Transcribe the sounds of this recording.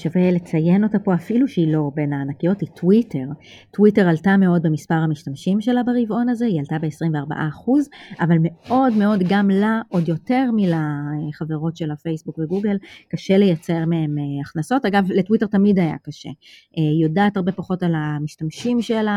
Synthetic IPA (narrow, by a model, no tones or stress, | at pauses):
ʃavele̞t͡saje̞no̞tapo̞afiluʃeilo̞be̞naːnakijo̞titwite̞ʁ | twite̞ʁaltame̞o̞d̚bemispaʁhamiʃtamʃimʃe̞labeʁivo̞nazeialtabe̞esʁimveaʁba̰ʔaːχuzʔavalme̞o̞dme̞o̞dɡamlaʔo̞djo̞te̞ʁmilaχave̞ʁo̞tʃe̞lafe̞jsbukveɡuɡe̞lkaʃe̞le̞jat͡se̞ʁmee̞meaχnaso̞taɡavletwite̞ʁtamidaja̰kaʃḛʔejo̞daːtaʁbe̞paχo̞talamiʃtamʃimʃela